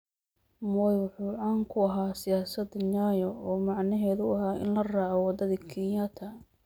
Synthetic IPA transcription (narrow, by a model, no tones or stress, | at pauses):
mɔjwʊħuːʕaːŋkʰʊɐɦaːsɪjaːsɐd̪ɲajɔɔːmɑʕnɐɦɛːðʊɐɦaːʔɪ̰nlɐraːʕɔwɑd̪ɐðikʰinjat̪ʰɐ